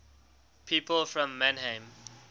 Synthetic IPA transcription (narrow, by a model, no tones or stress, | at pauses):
pʰiːpəlfɹɔ̃mːãnhẽm